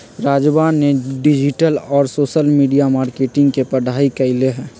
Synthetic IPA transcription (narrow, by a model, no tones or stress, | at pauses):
ɾaːd͡ʒbaːnːeɖɪd͡ʒɪʈəlɔːɾsoːʃəlmiːɖijamaːɾkeːʈɪ̃ŋɡkepəɽʱaːikəleɦɛ̃ː